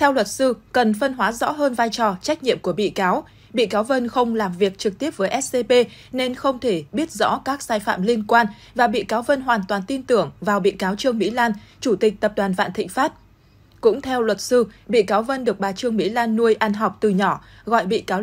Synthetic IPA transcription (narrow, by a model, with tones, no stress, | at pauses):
t̪ʰɛ˧wlwə˨˩t̚sɨ˧kə˨˩nfə˧nɦwaː˨˦zɔ̰˧˥ɦəː˧nvaː˧jt͡ɕɔ˨˩t͡ɕa˦˥k̚ɲḭ˧˨əmku˧˩əɓḭ˧˨kaː˨˦w | ɓḭ˧˨kaː˨˦wvə˧nxə˧wŋ͡mlaː˨˩mvi˨˩ək̚t͡ɕɨ˨˩k̚t̪i˦˥əp̚vəː˨˦jʔɛ˦˥s̚se˧pe˧ | ne˧nxə˧wŋ͡mt̪ʰe˧˩ɓi˦˥ət̚zɔ̰˧˥kaː˦˥k̚saː˧jfa̰ː˧˨mli˧ənkwaː˧n | vaː˨˩ɓḭ˧˨kaː˨˦wvə˧nɦwaː˨˩nt̪waː˨˩nt̪i˧nt̪ɨ˧˩əŋvaː˨˩wɓḭ˧˨kaː˨˦wt͡ɕɨ˧əŋmḭ˧˥laː˧nt͡ɕu˧˩t̪ï˨˩k̚t̪ə˨˩p̚ɗwaː˨˩nva̰ː˧˨nt̪ʰḭ˧˨ŋ̟faː˦˥t̚ | kʊ̰˧˥ŋ͡mt̪ʰɛ˧wlwə˨˩t̚sɨ˧ɓḭ˧˨kaː˨˦wvə˧nɗɨ˨˩ək̚ɓaː˨˩t͡ɕɨ˧əŋmḭ˧˥laː˧nːu˧əjʔa˧nɦa˨˩wk͡p̚t̪ɨ˨˩ɲɔ˧˩ | ɣɔ̰˧˨jɓḭ˧˨kaː˨˦w